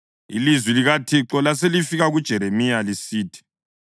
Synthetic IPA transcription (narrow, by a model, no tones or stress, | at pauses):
ḭlizwiliɣatʰiǁɔlas̬elifiɣaɣud̥ʒ̥ʱɛɾemijalisiːtʰi̥